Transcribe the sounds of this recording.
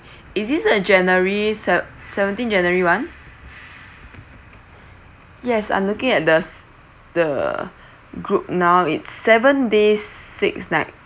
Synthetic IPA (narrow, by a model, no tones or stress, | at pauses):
isdisdəd͡ʒɛnəɹisɛsɛvə̃ntĩnd͡ʒɛ̃nəɹiwãn | jɛsã̰ɪ̃mlukɪ̃ŋɛt̚dəs | d̥ə̰ | ɡɹup̚nawitsːɛvə̃ndesiksnaɪt̚